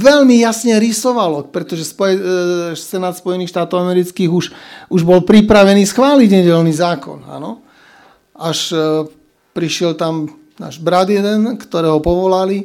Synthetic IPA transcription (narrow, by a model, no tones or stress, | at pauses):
ʋɛlmijasɲɛɾisɔʋalɔpɾɛt̪ɔʒɛspɔjɛsɛnaːt̪spɔjɛnixʃt̪aːt̪ɔʊamɛɾit͡skiːɣuʃuʒbɔlpɾipɾaʋɛniːsxʋaːliɟɲɛɟɛlniːzaːkɔ̰na̰nɔ | aʃ | pɾiʃɪɛlt̪am | na̰ːʒbɾad̪jɛd̪ɛnkt̪ɔɾɛːɦɔpɔʋɔlali